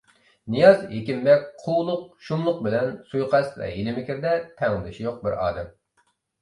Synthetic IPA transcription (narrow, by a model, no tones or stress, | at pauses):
nijɑzɦekʲimbɛk̚ʲqʰuwlˠʊq̚ʃumlˠʊq̚bɪlɛnsujqʰæsvɛ̰ɦilɪmɪkʲiɾd̪ɛt̪ʰɛŋlɨd̪ɪʃijoq̚bɪɾɑ̰ːd̪ɛm